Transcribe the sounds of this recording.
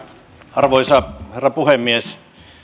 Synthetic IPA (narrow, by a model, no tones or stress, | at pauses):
ɑrʋoisɑherːɑpuhemːies